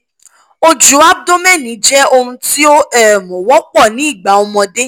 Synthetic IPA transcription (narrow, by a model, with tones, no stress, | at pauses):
o˧d͡ʒu˨˦a˦b̚do˦mɛ˦˨nĩ˨˦d͡ʒɛ˦o˧hũ˧ti˦o˦ʔɛ˦˨mɔ̃˨wɔ˦k͡pɔ˦˨nĩ˨˦i˦˨ɡ͡ba˨˦ɔ˧mɔ̃˧de˦